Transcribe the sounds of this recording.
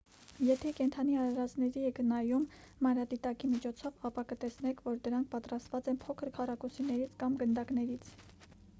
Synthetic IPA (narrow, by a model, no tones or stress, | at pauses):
jɛt̪ʰɛkɛnt̪ʰɑniɑɾɑɾɑt͡snɛɾiɛkənɑjumːɑnɾɑd̪it̪ɑkimit͡ʃʰɔt͡sʰɔvɑpɑkət̪ɛsnɛkʰvɔɾd̪əɾɑŋkʰpɑt̪rɑst̪vɑt͡sɛnpʰɔkʰəɾkʰɑrɑkɔsinɛɾit͡sʰkɑmɡənd̪ɑknɛɾit͡sʰ